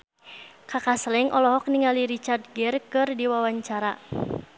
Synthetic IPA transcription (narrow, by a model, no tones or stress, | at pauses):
kakaslɛŋʔɔlɔɦɔk̚niŋaliɾit͡ʃard̪̚ɡɛrkɨrdiwawaɲt͡ʃaɾa